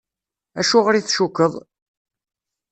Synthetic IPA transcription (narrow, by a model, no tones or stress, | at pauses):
æʃʊʁɾiθʃukːəðˤ